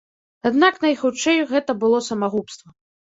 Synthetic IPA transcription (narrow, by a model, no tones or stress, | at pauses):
ad̪naknɐjxut͡ʂɛjuɣɛt̪ɐbɨlˠɔsɐmaɣupst̪vɐ